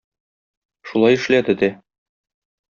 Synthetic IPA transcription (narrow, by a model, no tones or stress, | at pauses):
ʃulˠɑjɘ̆ʃlæd̪ɘd̪æ